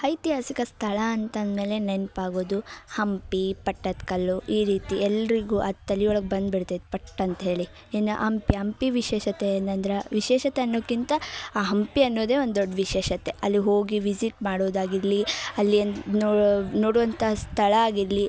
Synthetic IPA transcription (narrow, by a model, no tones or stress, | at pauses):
ɐjt̪iɦaːsikɐst̪ʰɐɭɐːnt̪ɐnd̪me̞ːle̞nenpaːɡoːd̪uhɐmpipɐʈːɐt̪kɐlːuʔiːɾiːt̪iɛlːɐɾiɡuːʔɐt̪ɐliɔɭɐɡbɐnd̪biɽt̪it̪pɐʈːɐɐnt̪ɐɦe̞ːɭi | enːɐʔɐmpiɦɐmpiʋiʃɛːʃɐt̪eːnt̪ɐnd̪ɾeʋiʃɛːʃɐt̪eɐnːoːkːint̪ɐːɦɐmpiɐnːoːd̪e̞ːond̪d̪oɖːʋiʃɛːʃɐt̪e̞ʔɐlːiɦo̞ːɡiʋid͡ʒiʈmaːɽoːd̪aːɡiɾliɐlːiɐnnonoːɽuʋɐnt̪ʰɐst̪ʰɐɭɐaːɡiɾli